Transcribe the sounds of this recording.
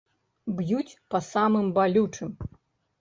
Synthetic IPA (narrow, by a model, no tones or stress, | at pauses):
bjut͡sʲpɐsamɨmbalʲut͡ʂɨm